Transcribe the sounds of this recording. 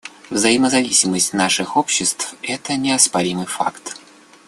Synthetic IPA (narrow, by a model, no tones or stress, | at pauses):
vzɐjɪməzɐvʲisʲɪməsʲtʲnaʂɨxopɕːɪst̪fɛt̪ənʲɪɐspɐɾʲimɨjfa̰kt̪